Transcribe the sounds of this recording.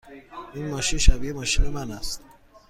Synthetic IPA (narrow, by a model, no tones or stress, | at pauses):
ʔiːnmɒːʃinʃæbiːemɒːʃiːne̞mænæst̪